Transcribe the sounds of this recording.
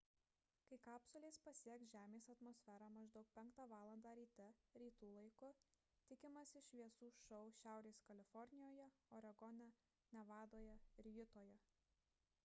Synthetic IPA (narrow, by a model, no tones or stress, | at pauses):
kɐɪkɑːpsʊlʲeːspɐsʲiɛksʒʲæːmʲeːsɐt̪mɔːsʲfʲæɾɑːmɐʒd̪ɒʊk̚pʲɛŋˑkt̪ɑːʋɑːlˠɐnd̪ɑːɾʲiːt̪ʲɛɾʲiːt̪uːlˠɐɪkʊ | t̪ʲɪkʲɪmɐsʲɪʃʲʋʲiɛsuːʃɐʊʃʲæˑʊɾʲeːskɐlʲɪfɔɾʲnʲɪjoːjɛoɾɐɡɔnʲɛ | nʲɛʋɑːd̪oːjɛɪɾjʊt̪oːjɛ